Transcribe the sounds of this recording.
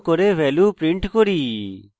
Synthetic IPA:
kɔɾeʋɛːluːpɾɪ̃ɳʈkɔɾiː

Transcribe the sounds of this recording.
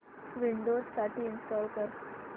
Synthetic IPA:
ʋiɳɖod͡zsaʈʰiːnsʈɔlkəɾ

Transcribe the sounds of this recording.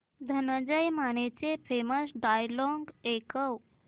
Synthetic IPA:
d̪ʱənəd͡ʑəjmañet͡sefeməsɖajlɔŋɡekəw

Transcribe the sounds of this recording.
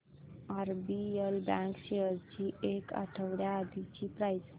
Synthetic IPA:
aɾbielbãŋkɕeɦəɾt͡ɕiekə̰ʈʰəwɽjaːd̪ʱit͡ɕipɾajd͡z

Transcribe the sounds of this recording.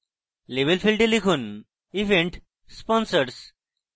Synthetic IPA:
leʋelfilʈelikʰuːn | iʋẽɳʈ | spɔnsəɾs

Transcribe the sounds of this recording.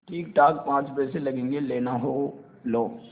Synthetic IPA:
ʈʰiːk̚ʈaːkpãːt͡ʃpɛselɐɡẽːŋɡeleːnaɦoː | loː

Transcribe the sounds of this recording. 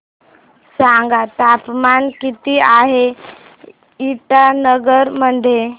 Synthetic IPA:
saŋɡat̪apmankit̪iaɦe | iʈanəɡəɾməd̪ʱje

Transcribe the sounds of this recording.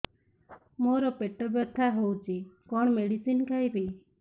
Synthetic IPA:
moɾɔpeʈɔbjɔt̪ʰaɦowt͡ʃʰikɔɽ̃ɔmeɽisinkaibi

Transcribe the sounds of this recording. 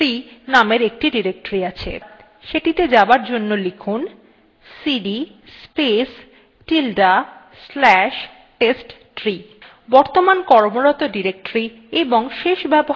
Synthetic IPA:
ɾinameɾek̚ʈiɖiɾek̚ʈoɾiat͡ɕʰḛ | ʃeʈit̪ed͡ʑabaɾd͡ʑonːolikʰun | siɖi | spes | ʈilɖa | slɛʃ | ʈesʈ | ʈɾi | bɔɾt̪omankɔɾmoɾɔt̪oɖiɾek̚ʈɾi | eboŋʃeʃbɛbo

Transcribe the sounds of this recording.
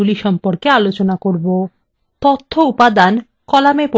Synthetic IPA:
uliʃɔmpoɾkealot͡ɕonakoɾbo | t̪ot̪ʰːoupad̪an | kɔlamepo

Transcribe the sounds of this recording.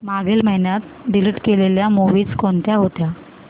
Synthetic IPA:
maɡʱelməɦinjat̪̚ | ɖiliʈkeleljamuʋiːt͡skont̪jaɦot̪ja

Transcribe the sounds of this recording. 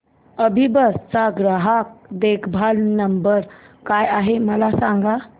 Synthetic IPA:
əbʱibəɾst͡saɡɾəɦak̚d̪ekʰbʱalnəmbəɾ | kajaɦeməlasãŋɡa

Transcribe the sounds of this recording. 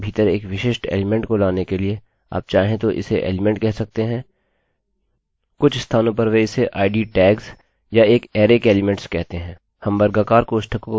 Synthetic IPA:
bʱiːt̪əɾeːkʋɪʃeːʃʈḛːlɪmɛ̃ɳʈkolaːnekelie | a̰ːp̚t͡ʃaːɦẽt̪oʔɪ̰seʔḛːlɪmɛ̃ɳʈ̚kɛɦsɐk̚t̪eɦɛ̃ː | kʊt͡ʃʰɪst̪ʰaːnõp̬ɐɾʋeɪseʔaːɪɖiʈɛːɡz | jaeːkɛːɾeːkeːlɪmɛ̃ɳʈskɛɦt̪eɦɛ̃ː | hɐ̃mbɐɾɡaːkaːɾkoːʃʈʰəko

